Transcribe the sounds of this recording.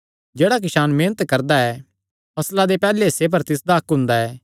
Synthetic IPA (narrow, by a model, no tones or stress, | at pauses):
d͡ʒeːɽak̬ɪʃaːnmeːnət̪kɐɾd̪aɛ | pɐslad̪epɛːlesep̬ɐɾt̪ɪs̬d̪aɐkɦʊ̃nd̪aɛː